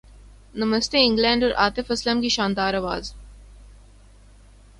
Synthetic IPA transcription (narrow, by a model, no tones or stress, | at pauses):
nəməst̪eɪ̃ŋɡlɛ̃ːɳɖɔɾʔaːt̪ɪfɐsləmkiʃãːnd̪aːɾɐʋaːz